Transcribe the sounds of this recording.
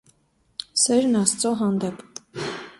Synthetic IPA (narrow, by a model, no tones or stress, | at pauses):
sɛɾnɑst͡sɔɦɑnd̪ɛpʰ